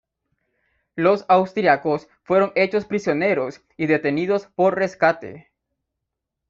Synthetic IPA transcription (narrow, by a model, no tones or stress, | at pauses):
lo̞sawst̪ɾiako̞s | fwe̞ɾo̞ŋe̞t͡ʃo̞spɾisjo̞ne̞ɾo̞s | iðe̞t̪e̞niðo̞spo̞ɾre̞skat̪e̞̰